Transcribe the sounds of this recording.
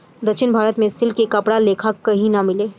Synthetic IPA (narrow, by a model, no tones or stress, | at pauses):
d̪ɐkʃʰɪnbʱaːɾət̪mẽsɪlkekɐpɽaleːkʰakːɐɦĩnamɪleː